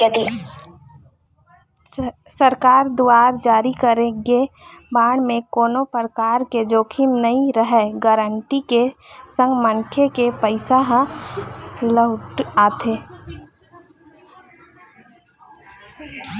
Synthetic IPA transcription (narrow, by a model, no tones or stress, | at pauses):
ɛt̪e | səɾkaːɾd̪uaːɾd͡ʒaːɾikəɾẽɡebaːɽ̃mẽkoːnopəɾəkaːɾked͡ʒoːkʰimnəĩɾəɦɛɡəɾəɳʈikesə̃ŋɡmənkʰekepəɪsaɦ | ləʊʈaːt̪ʰeː